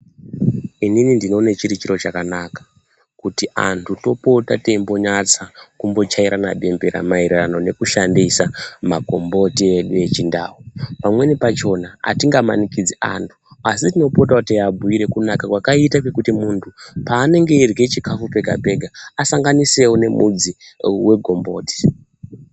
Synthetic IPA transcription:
ininindino̞net͡ʃiɾit͡ʃiɾo̞t͡ʃakanakḁ | kutiʔa̰ntʰuto̞po̞tate̞mbo̞ɲat͡sakumbo̞t͡ʃaiɾʔana̰ɓe̞mbeɾa̰mairirano̞ne̞kuʃandisamako̞mbo̞tie̞ɗue̞t͡ʃinda̰ːwupamwe̞nipat͡ʃo̞naa̰tiŋɡama̰nikid͡zeʔa̰ntʰu̥asitino̞pot̬akutiabʱuiɾe̞kunakakwakaitakekutimuntʰupaːne̞ŋɡe̞irɡe̞t͡ʃikafupe̞ɡʱa̰bʱe̞ɡʱaːsaŋɡanise̞wone̞mṵd͡ziwe̞ɡʱo̞mbo̞ːti̥

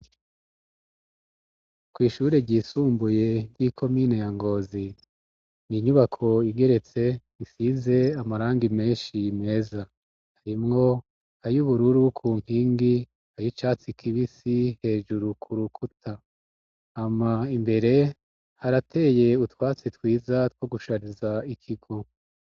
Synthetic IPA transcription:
kwiːʃuːɾe̞ɟiːsuːmbuje̞jikʰo̞miːne̞jaŋɡo̞ːzi | niɲuβakʰo̞iɡe̞ɾe̞t͡se̞ | isize̞amaɾaːŋɡime̞ːnʃime̞ːza | haɾimŋo̞ | ajuβuɾuɾukʰuːm̥hiːŋɡi | ajit͡ʃaːt͡sikʰiβisihe̞ːʒuɾukʰuɾukʰutʰa | amaimbe̞ɾe̞ | haɾatʰe̞je̞utwaːt͡sitwiːzatwo̞ɡuʃaɾizaikʰiɡo̞

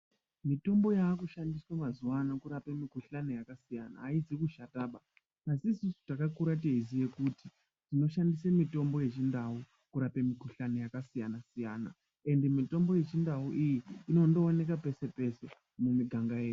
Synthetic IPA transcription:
mito̞mbo̞jaːkuʃandiswamazuwanakuɾapemikuɬano̞jakasijana̰ːid͡zikuʃataːɓa | asiːsusu̥takakuɾateizije̞kuti | tino̞ʃandisemito̞mbo̞je̞t͡ʃindau | kuɾape̞mikuɬanojakasijanasijaːna̰ | e̞nde̞mito̞mbo̞je̞t͡ʃindauʔijiino̞ndo̞ːne̞kape̞se̞pe̞se̞ | mumiɡʱaŋɡajeːju

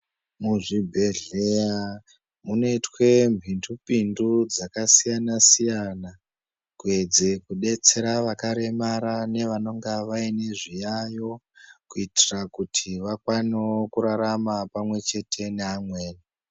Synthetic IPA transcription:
muʐibʱe̞ɮeja | muneitwe̞mbʱindupindud͡zakasijanasijana | kue̞d͡zekuɗe̞t͡se̞ɾaʋakaɾe̞maɾane̞ʋano̞ŋɡaʋaine̞ʐijajo̞kuitirakutʰiʋakwaniokuɾaɾamapamwe̞t͡ʃe̞tʰe̞neamwe̞ːna

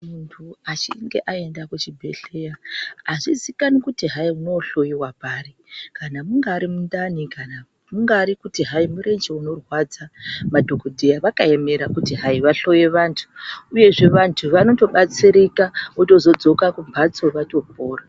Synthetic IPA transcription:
muntʰuat͡ʃḭŋɡe̞̰ʔae̞ndakut͡ʃibʱe̞̰ɬejaːʐizikanikutiɦaiuno̞ɬo̞jiwapaːrikanamuŋɡaːɾimundanikana | muŋɡaːɾikutiɦaimuɾe̞nd͡ʒeuno̞rwad͡zamadʱokodʱejaʋakae̞me̞ɾakutiɦaiʋaɬo̞je̞ʋaːntʰu̥uje̞ʐe̞ʋantʰuʋano̞to̞ɓat͡siɾikauto̞zo̞d͡zo̞kakumbʱat͡so̞ʋato̞po̞ːra

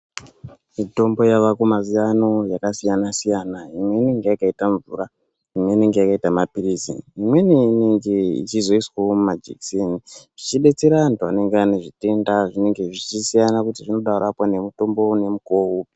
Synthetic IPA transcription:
mito̞mbo̞jaʋakumazijano̞jakasijanasijanaimwe̞ine̞ŋɡe̞jakaitaɱvura | imwe̞ine̞ŋɡejakaitamapiɾizḭnimwe̞neineŋɡeḭt͡ʃizo̞iswaomumad͡ʒḛkseniʐ̥it͡ʃiɓe̞t͡se̞ɾaʋantua̰ne̞ŋɡeane̞ʐite̞ndaʐine̞ŋɡe̞ʐit͡ʃisijanakutiʐino̞ɗauɾapwane̞muto̞mbo̞ne̞mukou

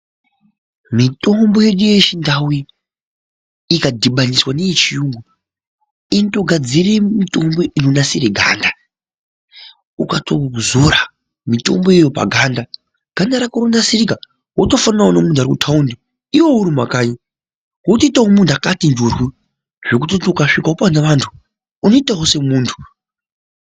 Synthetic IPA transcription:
mito̞mbo̞je̞ɗujeʃindawi | kadʱiɓaniswanejet͡ʃijuŋɡu | ento̞ɡʱad͡ziremito̞mbo̞ʔinonasireɡʱa̰ːnda | ukatʰozoɾa | mito̞̰mbo̞jejo̞pa̰ɡʱanda | ɡ̥ʱandaɾakoɾondasirika | wotofanawonemuntʰuaɾikutʰaundi | iwo̞uɾimakaːɲi | wotoitawomundʰakatind͡ʒurwi | ʐ̥e̞k̬utitokaʂikaopanaʋantʰu̥ː | noitawose̞muːntʰu̥

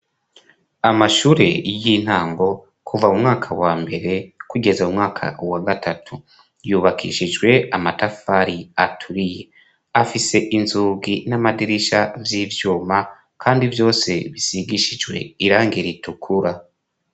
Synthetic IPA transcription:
amaʃuːɾe̞̰jin̥haːŋɡo̞ | kʰuvaumŋaːkʰawaːmbe̞ɾe̞kuɡe̞zaumŋaːkʰa̰waɡatatʰu | juːβakʰḭʃid͡ʒɡwe̞amatafaɾiatʰuɾije̞ | afise̞ʔinzuːɡinamadiɾiʃavjiːvjuːma | kʰaːndivjo̞ːse̞βisiɡiʃid͡ʒwe̞̰iɾaːŋɡiɾitukʰuɾa

